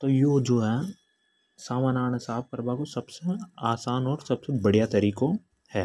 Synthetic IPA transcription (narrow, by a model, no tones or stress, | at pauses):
t̪oːjoːd͡ʒoːɦɛː | saːmanaːɽ̃ɪsaːbpɐɾbakosɐbseaːsaːnɔːɾsɐbsebɐɽ̤ijat̪ɐɾiːko | hɛː